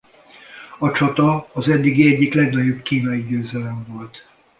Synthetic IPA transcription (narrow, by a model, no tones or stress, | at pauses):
ɒt͡ʃɒt̪ɒːzɛd̪ːiɡiɛɟːiklɛɡnɒɟo̞bkiːnɒjiɟøːzɛlɛɱvo̞lt̪